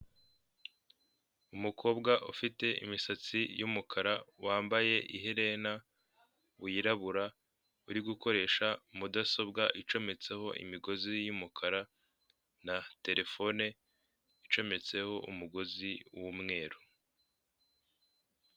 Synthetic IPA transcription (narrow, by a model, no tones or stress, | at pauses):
umukʰo̞ːbɡaʔufite̞ḭmisat͡sijumukʰaɾawaːmbaje̞ʔiɦeɾe̞na | βujiɾaβuɾa | uɾiɡuko̞ɾe̞ːʃamudaso̞bɡaʔit͡ʃo̞me̞t͡se̞ho̞ʔḭmiɡo̞zijumukʰaɾa | nate̞ɾe̞fo̞ne̞ | it͡ʃo̞me̞t͡se̞ho̞ʔṵmuɡo̞ziwumŋe̞ːɾo